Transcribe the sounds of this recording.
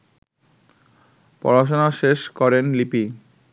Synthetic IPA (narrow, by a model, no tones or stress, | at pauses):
pɔ̰ɾaʃ̬onaʃeʃkɔɾenlipi